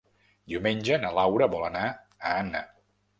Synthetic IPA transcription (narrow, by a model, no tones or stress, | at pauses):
d̪iumenʲd͡ʒənəlawɾəβɔləna | əanə